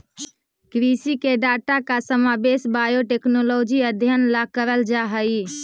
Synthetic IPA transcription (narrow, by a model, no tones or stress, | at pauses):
kɾisikeɖat̪akasəmabesbajoʈeknolod͡ʒiəd̪ʱjənlakəɾəld͡ʒaɦəj